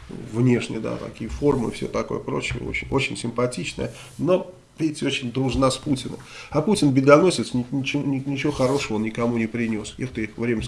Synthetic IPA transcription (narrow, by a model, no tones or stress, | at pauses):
vnʲe̞ʂnʲɪ̰jd̪a̰t̪ɐ̰kʲijəfo̞rmɨ̰fsʲo̰t̪ɐko̞jəpɾo̞̰t͡ɕɪə̰o̰t͡ɕɪnʲo̞t͡ɕɪnʲsʲɪmpɐtʲit͡ɕnə̰jə | no̞ | vʲetʲot͡ɕɪnʲd̪ɾʊʐnasputʲɪnə̰mɐputʲɪnbʲɪd̪ɐnosʲɪt̪snʲɪnʲɪt͡ɕɪnʲɪnʲɪt͡ɕɪvo̞xɐɾo̞ʂəvəonnʲɪkɐmunʲɪpɾʲɪnʲo̞sjext̪əɪxvɾʲemʲə